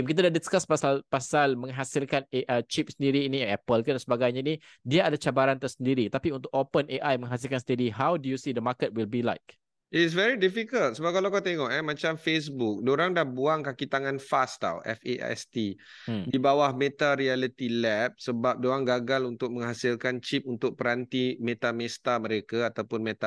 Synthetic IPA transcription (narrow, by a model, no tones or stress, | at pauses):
mk̬it̪̬adaʔdiskaspasalpasalmə̃ŋɦasilkaneʔət͡ʃip̚səndiɾiːniɛpəlkandansəbaɡajɲaini | diaadat͡ʃabaɾant̪ərsəndiɾikt̪apiunt̪ʊk̚opənʔeʔajmə̃ŋɦasilkansəndiɾiɦawdujusidəmakət̚wilbila̰jk̚ | ʔɪts̬vɛɾidifikəlt̪̚səbap̚kalawkat̪eŋɔʔɛmãt͡ʃamfes̬buk̚doɾaŋdahbuaŋkakit̪aŋãnfast̪a̰wɛ̰fḛʔɛ̰st̪i | dibawahmet̪aɾialit̪ilɛp̚səbap̚doɾaŋɡaɡalunt̪ʊk̚mə̃ŋɦasilkant͡ʃip̚unt̪ʊk̚pəɾant̪imet̪amest̪amə̃ɾekaat̪awpʊnmet̪a